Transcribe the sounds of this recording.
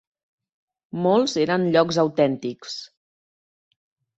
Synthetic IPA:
molˠzeɾənʎɔkzəwt̪ɛnt̪iks

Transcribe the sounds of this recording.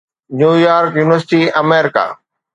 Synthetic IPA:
njuːjaːɾkjuːnɪʋəɾsɪʈiɐmeːɾɪka̰ː

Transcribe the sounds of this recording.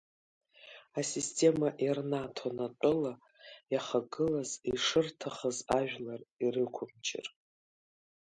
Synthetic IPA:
asistʰe̞maʔirnatʰonatʷʼʊla | jaχaɡɨlaziʂɨrtʰaχazaʒᶣlarirɨkʷʰʊmt͡ʃʰɪ̰r

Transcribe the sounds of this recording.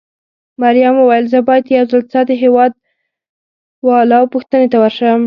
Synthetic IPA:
maɾijamuwajəlzəbɑjad̪jawzəlt͡sɑd̪əɦewɑd̪̚ | wɑlɑwpuxt̪ənet̪awəɾʃəwəm

